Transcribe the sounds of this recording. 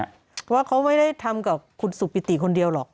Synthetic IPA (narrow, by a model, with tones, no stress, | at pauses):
pʰɔ˧waː˥˩kʰa˦˥wma˥˩jda˥˩jt̪ʰa˧mka˨˩p̚kʰu˧nsu˨˩p̚ːi˦˩t̪i˨˩kʰo˧ndi˧əwlɔː˨˩k̚